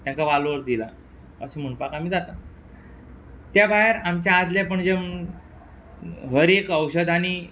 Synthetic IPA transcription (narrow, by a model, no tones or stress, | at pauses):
t̪jãŋkaʋalʋəɾd̪ila̰ | ə̰sem̤əɳpakam̤iːd͡zat̪a | t̪jabʱaɦeɾamt͡ɕjaːd͡z̪ljapəɳd͡ʑem | ɦəɾekəwɕəd̪añi